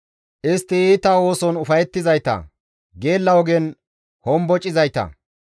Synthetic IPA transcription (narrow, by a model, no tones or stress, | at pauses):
ʔɪst̪ːɪiːt̪aːwo̞ːsɔnʊfɐjɛt̪ːɪzɐjt̪ɐ̰ | ɡe̞ːlːɐwɔɡen | hɔmbɔt͡ʃʼːɪzɐjt̪ɐ̰